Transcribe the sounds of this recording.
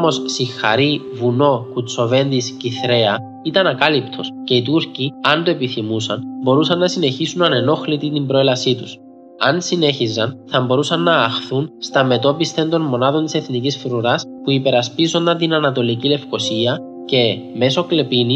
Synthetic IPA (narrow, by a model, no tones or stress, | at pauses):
mo̞ssixːɐ̰ɾi | vuno̞kut͡sːo̞ve̞nd̪isciθɾe̞ɐ | it̪ɐnɐkɐlipt̪ʰosce̞it̪uɾciɐnd̪oe̞piθimusɐnbo̞ɾusɐnːɐsine̞çisunɐne̞no̞xlit̪it̪imbɾo̞elɐsit̪us | ɐnsine̞çizːɐnθɐmbo̞ɾusɐnːɐːxθunst̪ɐme̞t̪o̞pist̪e̞nd̪o̞nmo̞nɐðo̞nt̪ise̞θnicisfɾuɾɐspuipe̞ɾɐspizo̞nd̪ɐnt̪inɐnɐt̪o̞licile̞fko̞siɐ | ce̞me̞so̞kle̞pini